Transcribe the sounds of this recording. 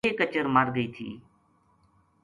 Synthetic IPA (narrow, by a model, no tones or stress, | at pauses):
eːkət͡ʃəɾmaːɾɡəiːt̪ʰḭː